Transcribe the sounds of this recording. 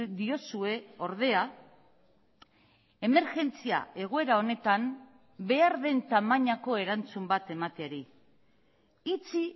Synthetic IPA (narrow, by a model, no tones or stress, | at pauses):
d̪io̞sue̞o̞ɾð̞e̞a | e̞me̞ɾʝe̞nt͡sia̰e̞ɣ̞oe̞ɾao̞ne̞t̪am | be̞aɾðe̞nt̪amaɲako̞e̞ɾant͡sumbat̪e̞mat̪eaɾi | it͡si